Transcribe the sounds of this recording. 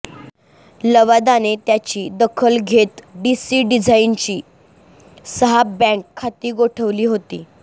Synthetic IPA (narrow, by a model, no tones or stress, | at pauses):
ləʋad̪anet̪jat͡ɕiːd̪əkʰəlɡʱet̪ɖisiːɖid͡zʱaint͡ɕiː | səɦabɛ̃ŋkʰːat̪iːɡoʈʰəʋliːɦot̪ḭː